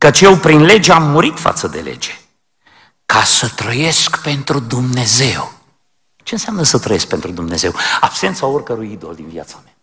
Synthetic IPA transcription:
kət͡ʃʲjewpɾinle̞d͡ʒeamːuɾit̪fa̰t̪səd̪e̞̰le̞̰d͡ʒe | kasət̪ɾəje̞skpe̞nt̪ɾud̪umne̞ze̞w | t͡ʃe̞ɨnsjamnəsət̪ɾəje̞sk̚pe̞nt̪ɾud̪umne̞ze̞wab̥se̞nt̪saorkəɾujid̪o̞̰ld̪invia̰t̪samea

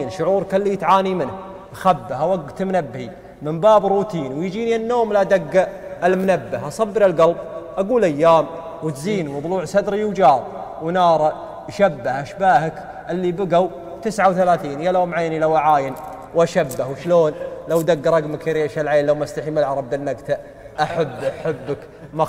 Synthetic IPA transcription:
nʃʊʕuːɾˤkalːiːt̪ʕaːnimɪnh | ʔaxabːahawaɡt̪mnabːhi | mɪmbaːbɾuːt̪iːnwjd͡ʒiːnianːoːmlad̪aɡːaʔɪlmʊnabːahʔɑsˤɑbːɪɾɪlɡɑlbʔaɡuːlʔajːaːm | wɪt̪ziːnwt̪ˤluːʕsad̪ɾijwd͡ʒɑːɾˤ | wnɑːɾˤɑ | ʃabːahʔaʃbaːhak | ʔɪlːibɪɡaw | t̪ɪsʕawθalaːθiːnjaloːmʕaːnilawʔaʕaːjɪn | wʔaʃabːahwʃloːnlawd̪aɡːɾˤɑɡmakɾeːʃalʕeːnlawmaʔst̪aħiːmalʕɑɾˤɑb̚d̪anːaɡt̪a | ʔaħabːħabːak | ma

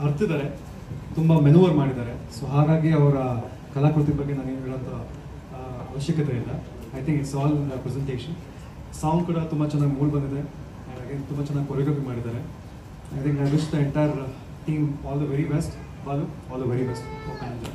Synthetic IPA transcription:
ɐɾt̪id̪aːɾe | t̪umbɐmenuːʋɐɾmaːɽid̪aːɾesɐɦaːɾaːɡiɐʋɐɾɐ | kɐlɐkuɽt̪ibɐɡenaːneɦɛɭɐnt̪ʰɐ | ɐʋɐʃjɐkɐt̪eild̪ɐ | ɐjt̪ʰĩŋksɐʋaːlɐpɾɛzeɳʈeːʂɐn | saːwŋɡkuːɽɐt̪umbɐt͡ʃɛnːaːɡimuːlbɐnd̪id̪e | aːɖ̪aːɡent̪umbɐt͡ʃɛnːaːɡʲipɔɾiɡɐbimaːɽid̪aːɾe | ɐjt̪ʰĩŋkɐɾisd̪ɐɛɳʈajɐɾ | ʈiːmɔːld̪ɐʋeɾibesʈ | baːluɔːld̪ɐʋeɾibesʈoãːɖ

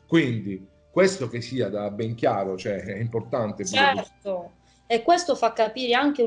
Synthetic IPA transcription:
kwind̪i | kwest̪ok̟esːiːad̪abːɛŋk̟jaːɾot͡ʃoɛɛimport̪ant̪et͡ʃbɛrt̪o | ekːwest̪ofakːapiːɾeaŋk̟e

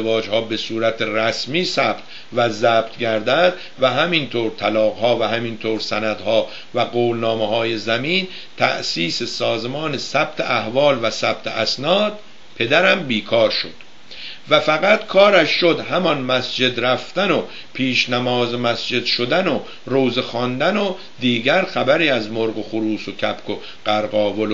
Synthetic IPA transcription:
evɒːd͡ʒhɒːbe̞suːɾæt̪ʰeræsmiːsæb̥̚t̪ | væzæːb̥̚t̪ʰɟæɾd̪æd̪ | væɦæmint̪ʰoːɾt̪ʰælɒːɣhɒːvæhæmint̪ʰoːɾsænæd̪hɒː | væɡoːlnɒːmehɒːjezæmiːn | t̪ʰæ̰ʔsiːsesɒːzmɒːne̞sæb̥̚t̪ʰeʔæhvɒːlvæsæb̥̚t̪ʰḛʔæsnɒːd̪̥̚ | pʰe̞d̪æɾæmbiːkʰɒːɾʃod̪̥ | væfæɣæt̪kʰɒːɾæʃʃod̪hæmɒnmæsd͡ʒe̞d̪ɾæft̪æno | pʰiːʃnæmɒːzemæsd͡ʒe̞d̪ʃod̪æno | ɾoːzexɒːnd̪æno | d̪iːɟæɾxæbæɾiːæzmoɾɣoxoɾuːsocʰæbkʰo | ɢ̥æɾɢɒːvol

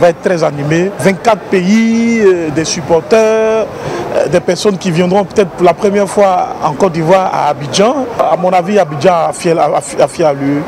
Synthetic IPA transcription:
vaɛt̪̚t̪ːʁɛzanimevɛ̃nt̪̚kat̪χpei | d̪ɛsypɔʁt̪œʁ | d̪ɛpɛʁsɔnkʲivjɛ̃d̪ʁɔ̃pøt̪ɛt̪χpuʁlapχəmjɛʁfwaɑ̰̃kɔd̪ivwaʁa̰ːbid͡ʒɑ̃amɔ̃naviabid͡ʒɑ̃afɛfafjalø

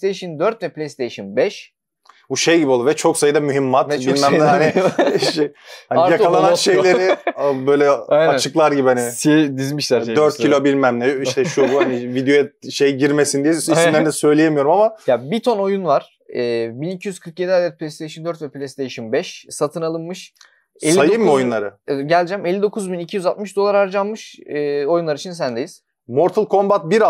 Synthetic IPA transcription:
st̪ʰejʃɯnd̪øɾt̪vɛpʰlʲejst̪ʰejʃɯnbɛʃ | buʃejɟibiolˠuvɛt͡ʃʰo̞ksajɯd̪amyɦimːat̪bilʲmæmlʲɛhaanɪʃhanjak̪alˠananʃejlʲe̞ɾɪbøjlʲɛajat͡ʃʰɯklˠaɾɟibihaniʃed̪izmiʃlæɾd̪øɾt̪cʰilʲobilʲmæmlʲɛiʃt̪ʰɛʃubuhanivid̪joɛt̪̚ʃejiɟiɾmesind̪iɛsisymlʲend̪ɛsø̞jlʲejemijo̞ɾumamajabit̪ʰo̞no̞junvaɾ̥ | ɛːbinicʰijyzkʰɯɾkjed̪iad̪ɛt̪̚pʰlʲest̪ʰejʃɯnd̪øɾt̪vɛplʲɛst̪ejʃɯnbɛʃsat̪ʰɯnalˠɯnmɯʃ | elsʲːajɯmo̞junnˠaɾɯɛɟælʲd͡ʒæmelʲːid̪o̞kʰuzbinicʰijyzat̪̚mɯʃd̪o̞lˠaɾaɾd͡ʒanmːɯʃɯːo̞junˠaɾit͡ʃʰins̬ænd̪ejiz̥ | moɾt̪ʰɯlˠkʰo̞mbat̪̚biɾa

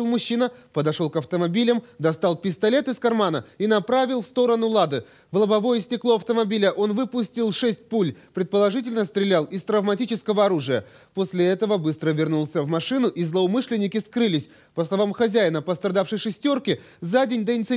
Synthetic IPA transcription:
lˠmʊɕːinəpəd̪ɐʂo̞lˠkɐft̪əmɐbʲilʲəmd̪ɐst̪ɑlˠpʲɪst̪ɐlʲe̞t̪ɨskɐrmanəinɐpɾavʲɪlˠfst̪o̞ɾənʊlˠad̪ɨ | vlˠəbɐvo̞jəsʲtʲɪklˠo̞ɐft̪əmɐbʲilʲəʔo̞nvɨpʊsʲtʲɪlˠʂɛsʲt̚ʲpulʲpɾʲɪt̪̚pəlˠɐʐɨtʲɪlʲnəst̪ɾʲɪlʲalˠɪst̪ɾəvmɐtʲit͡ɕɪskəvəɐɾuʐɨjə | posʲlʲɪɛt̪əvəbɨst̪ɾəvʲɪrnulˠsʲəvmɐʂɨnʊʔizlˠəʊmɨʂlʲɪnʲːɪkʲɪskɾɨlʲɪsʲ | pəslˠɐvamxɐzʲæjɪnəpəst̪ɾɐd̪afʂɨjʂɨsʲtʲo̞rkʲɪ | zadʲenʲd̪əɪnʲɪt̪s

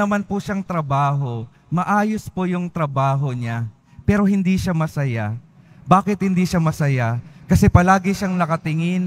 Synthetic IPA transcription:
ɐmanpʊʃaŋt̪ɾɐbaːɦo̞ | mɐʔaːjospojʊŋt̪ɾɐbaːɦo̞ɲa | pɛːɾo̞ɦɪnd̪iʃamɐsɐjabaːkɪt̪̚hɪnd̪iʃamɐsɐjakɐsɛpɐlaːɡɪʃaŋnɐkɐt̪ɪŋɪn

